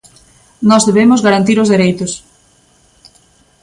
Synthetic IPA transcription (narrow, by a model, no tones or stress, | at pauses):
nɔzðeβemʊzɣaɾant̪iɾozðeɾejt̪ʊs